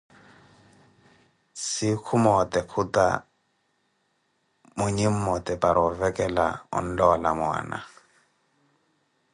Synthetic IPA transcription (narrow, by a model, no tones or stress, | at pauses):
sɪkʰumɔtɛkʰuta̰ | mʊɲem̩mɔtɛpʼaɾɔvɛkʼɛla̰ʊ̰n̩lɔlamʊa̰ːna̰